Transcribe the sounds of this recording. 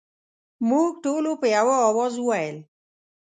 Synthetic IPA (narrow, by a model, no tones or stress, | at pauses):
muk̚ʈolopejawɔɔwɔzuwaɛl